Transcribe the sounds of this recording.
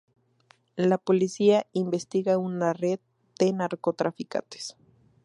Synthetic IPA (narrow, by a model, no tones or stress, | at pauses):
lapo̞lisiaimbe̞st̪iɣaunareð̚ | d̪̥e̞naɾko̞t̪ɾafika̰nt̪ʰe̥s